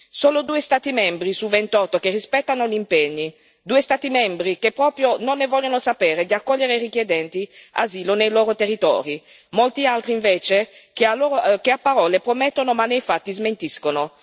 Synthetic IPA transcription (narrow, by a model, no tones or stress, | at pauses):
soːlod̪uːest̪aːt̪imɛmbɾisuvent̪ɔt̪ːok̟erːispɛt̪ːanoʎimpeɲːi | d̪uːest̪aːt̪imɛmbɾikepːɾɔːpɾjononːevɔʎːonosapeːɾed̪iakːɔʎːeɾeirikjed̪ɛnt̪ia̰ziːlonejloːɾot̪erːit̪ɔ̰ːɾi | molt̪ialt̪ɾiːɱveːt͡ʃekaloːɾokeapːaɾɔːlepɾomɛt̪ːonomanːejfat̪ːizment̪iskono